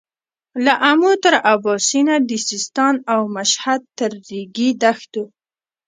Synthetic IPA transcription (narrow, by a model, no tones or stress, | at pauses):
laʔamut̪əɾabɑsinad̪isɪst̪ɑnawmaʃhad̪̚t̪əɾːiɡid̪axt̪u